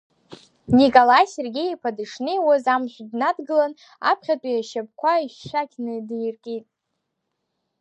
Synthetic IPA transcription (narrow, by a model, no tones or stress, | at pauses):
nikʼolajserɡʲejipʰadɨʂnewazamʒʷdnadɡɨlan | a̰pʰχʲatʼijaʃap̚kʷʰaiʃːakʲʰʼnɨdjrkʲʼitʼ